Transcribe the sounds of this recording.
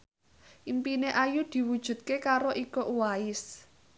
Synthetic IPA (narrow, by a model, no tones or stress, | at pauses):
ʔimpineʔajud̪̥i̤wud̥ʒ̥ṳt̪̚kekaɾoʔikoʔuwaɪs